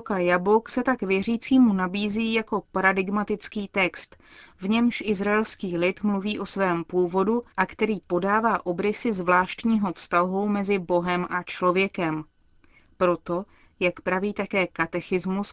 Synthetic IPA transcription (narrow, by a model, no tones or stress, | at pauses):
kajabo̞ksɛt̪akvjɛriːt͡siːmunabiːziːjako̞paɾadɪɡmat̪ɪt͡skiːt̪ɛkst̪vɲɛmʃʔɪzɾaɛlskiːlɪt̪mluviːʔo̞svɛːmpuːvo̞duʔakt̪ɛɾiːpo̞daːvaːʔo̞bɾɪsɪzvlaːʃt̪ɲiːɦo̞fst̪aɦowmɛzɪbo̞ɦɛmʔat͡ʃlo̞vjɛkɛm | pɾo̞t̪o̞ | jakpɾaviːt̪akɛːkat̪ɛxɪzmus